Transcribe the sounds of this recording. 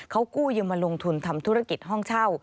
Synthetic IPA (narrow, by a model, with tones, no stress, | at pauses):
kʰa˦˥wkuː˥˩jɯː˧maː˧lo˧ŋt̪ʰu˧nt̪ʰa˧mt̪ʰu˦˥ɾa˧˩ki˨˩t̪̚ɦɔ˥˩ŋt͡ɕʰaː˥˩w